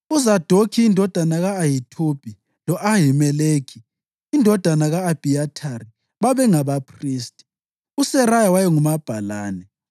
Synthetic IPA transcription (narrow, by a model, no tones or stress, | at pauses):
uzad̥ʱokʰiːndʱɔd̥ʱanaɣaːjitʰub̥ʱi | lɔʔaɦimɛleːɡʰʱiː | ndʱɔd̥ʱanaɣaːb̥ʱiatʰari | βaβɛŋaβapʰriːstʼi̥ | usɛrajawajɛŋumab̥ʱalaːnɛ